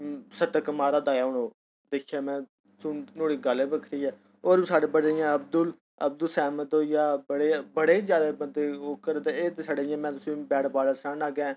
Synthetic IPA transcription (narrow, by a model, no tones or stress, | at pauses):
səʈəkmaːɾaːd̪aːjaːʊɳoː | d̪eːkʰːjaːmɛ̃ː | sʊnnoːɽiːɡaleːbəkʰɾiːɛː | oːɾisaːɽeːbəɽeɪjãəb̚d̪ʊl | əbd̪əlsɛːməd̪oːjaːbəɽeːbəɽeːiːzjaːd̪aːməd̪eːoːkəɾd̪eːeːt̪esaːɖeːɪjãːmɛ̃ːt̪ʊsĩːbɛːɽbaːləsaːnaːɡãː